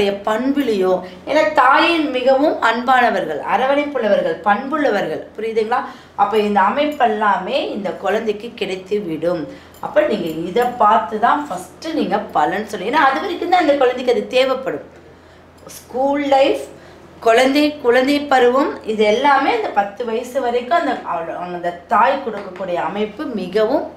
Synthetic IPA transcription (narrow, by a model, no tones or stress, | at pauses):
ɐjɐpɐɳbɪlɪjoː | eːnːaːt̪aːjɪnmɪɣɐʋɯmɐnbaːnɐʋɐɾɣɐɭɐ̰ɾɐʋɐnɐɪpːɯɭːɐʋɐɾɣɐɭpɐɳbɯɭːɐʋɐɾɣɐɭpʊɾɪɣðiːŋɡɐɭaː | ʔɐpːoːɪnd̪ɐːmɐɪpːɛlːaːmeːɪnd̪ɐkɔɻɐnd̪ɛɪkːɯkːɪɽɐɪt̪ːɯʋɪɽɯm | ɐ̰pːoːniːŋɡɐɪðɐpːaːɾt̪ɯt̪ãːfɐsʈːɯniːŋɡɐpɐlɐnːɯsɔlːɪŋɡenːaːðɯpɐɾɪkːɯnd̪ãːɪnd̪ɐkɔɻɐnd̪ɛkːɯɐðɯt̪eːʋɐpːɐɽɯm | skuːlːɐɪf | kɔɻɐnd̪ɛkʊɻɐnd̪ɐɪpːɐɾɯʋɯmɪðɛlːaːmeːɐnd̪ɐpɐt̪ːɯʋɐjɐsɯʋɐɾɐɪkːʊ̃ɐnd̪ɐɐʋɐɭɐŋɡɐɪnd̪ɐt̪aːjkʊɽɯkːɐkːuːɽɐjɐːmɐɪpːɯmɪɣɐʋɯ̃m